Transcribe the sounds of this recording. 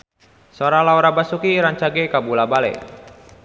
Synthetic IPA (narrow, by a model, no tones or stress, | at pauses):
soɾalauɾabasukiɾaɲt͡ʃaɡekabulabalḛ